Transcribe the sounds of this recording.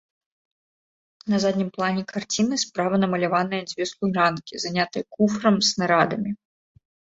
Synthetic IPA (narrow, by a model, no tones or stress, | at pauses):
nɐzad̪ʲnʲimplˠanʲɛkʰart͡sʲinɨspɾavɐnɐmɐlʲavanɨjɐd͡zʲvʲɛslˠurankʲizanʲat̪ɨjɛkufɾɐmsnaɾad̪ɐmʲi